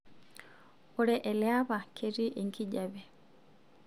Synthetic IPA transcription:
ɔɾɛʔɛljaβakʰeɾiʔeŋɡiɟaβɛ

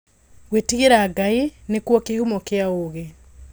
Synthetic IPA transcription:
wetiɣeɾaːɡainekwɔkehumɔkeaoɣe

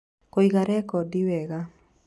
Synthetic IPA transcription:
koiɣaɾɛkɔdiwɛɣa

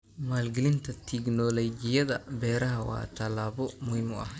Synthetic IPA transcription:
maːlɡɪlɪnt̪ʰɐt̪ʰɪɡnɔlɔd͡ʒɪjɐðɐbɛːɾɐɦɐwa̰ːt̪ʰɐlaːbɔmʊhɪmɔɐ̰h

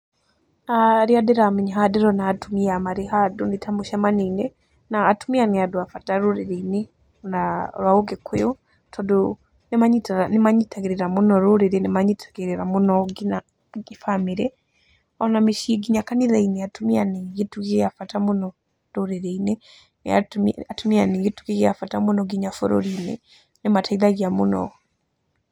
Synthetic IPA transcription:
aɾiadiɾamiɲiɦadiɾonaatumiamaɾihadunitʰamuʃamanine | naːtumianiaduafataɾuɾiɾeine | naβauɡekweju | tʰodu | nimaɲitanimaɲitʰaɡiɾiɾamunoɾuɾiɾenimaɲitʰḁɡiɾeɾamunoɡina | ɡifamiɾe | onamiʃieɡiɲakaniðaineatumianijitukejafatamunɔ | ɾuɾeɾeine | n̰a̰tatumianiɡitu̥kiɣafatamunɔɡiɲafo̰ɾo̰ɾinḛ | nimatʰailaɣiamuno̰

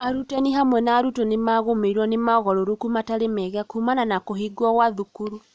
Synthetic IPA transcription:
aɾutɛniɦamwɛnaɾutɔnemaɣomeɾwɔnemaɣɔɾoɾukumataɾemɛɣakumananakohiɡwɔɣwaðukuɾu

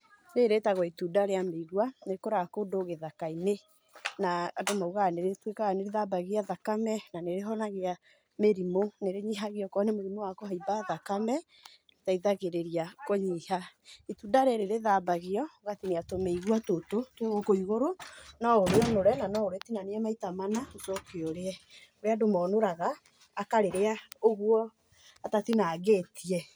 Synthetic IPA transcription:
neɾetaɣɔitudaɾeameiɣwanekoɾakodoɣeðakaine | naːdomauɣaneɾetwekaɣaneɾeðabaɣiaðakamɛnaneɾeɦɔnaɣea | meɾimoneɾeɲiɦaɣeɔkɔnemoɾimowakɔhaibaðakamɛ | taiðaɣeɾeɾiakoɲihaitudaɾɛɾeɾeðaːbaɣeɔɣatineatomeiɣwatototeɣokoiɣoɾonɔoɾeɔnoɾɛnanɔoɾetinaneɛmaitamanaosɔkeoɾeɛoɾeadomɔːnoɾaɣaː | kaɾeɾeaoɣwɔ | atatinaːɣeːtʰiɛ

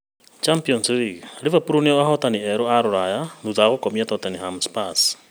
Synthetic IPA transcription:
t͡ʃampiɔnsliɡlivapuɾuniɔahɔtaniɛɾɔaɾoɾajanuðaɣokɔmiatɔtaniɦamspas

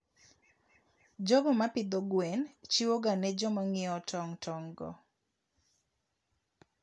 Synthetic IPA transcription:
d͡ʒɔɡɔmapɪd̪ɔɡwɛnt͡ʃiwoɡanɛd͡ʒɔmɔŋɪɔtʰɔŋtʰɔŋɡɔ̰

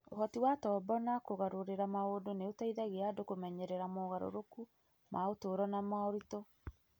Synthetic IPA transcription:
oɦɔtiwatɔbɔnakoɣaɾoɾeɾamaoːdoneotaiðaɣeadokomɛɲɛɾɛɾamɔɣaɾo̰ɾoku | mʔaotoːɾɔnamaɔɾitɔ

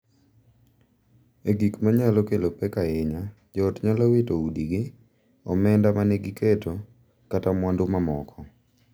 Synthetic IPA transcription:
eɡikmaɲalɔkelopɛkaɪɲa | d͡ʒɔːtɲalɔwɪtoudiɡɪ | ɔmɛndamanɛɡɪketo | katamwandʊmamɔkʰɔ

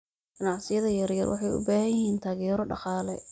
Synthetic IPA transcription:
ɡ̥ɐnɑʕsɪjɐðɐjɐrjɐ̰rwɑħɑjʊ̰baːhɐjɪhiːnt̪ʰaːɣɛːɾɔɖɑ̰qɑːlɛ

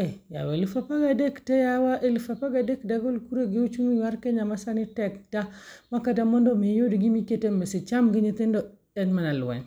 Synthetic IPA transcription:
eja̰walifapaɡadektejawaʔelfapaɡadekdaɡolkuɾeɡeut͡ʃuŋuwaɾkeɲamasanitek̚tamakadamondomejodiɡimiketembesit͡ʃamɡiɲit̪indo | enmanalwḛn

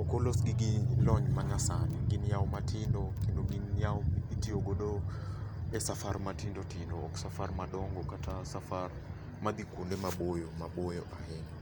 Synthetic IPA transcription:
ɔkɔlosɡɪɡɪlɔɲmaɲasaniɡɪnjawɔmatʰɪndokendoɡinjaoitioɡodo | ɛsafarmatɪndotɪndoːksafarmaɗɔŋɡɔkatʰasafar | mad̪ikwondemabojomabojoʔahɛɲ

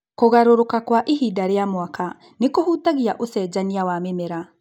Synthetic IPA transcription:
koɣaɾoɾokakwaʔiɦidaɾejamwaka | nekohutaɣiaʔosɛːd͡ʒaniawamemɛɾa

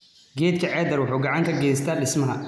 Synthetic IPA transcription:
ɡɛːt̪kʰɐʕɛːd̪ɐrwʊħuːɡɑʕɑŋkʰɐɡɛːst̪ʰaːɖɪsmɐɦɐ

